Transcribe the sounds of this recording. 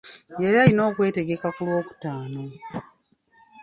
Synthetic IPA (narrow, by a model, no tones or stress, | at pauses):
jeɾiaɾino̞ːkwe̞ːte̞ɡe̞kakulwo̞ːku̥taːno̞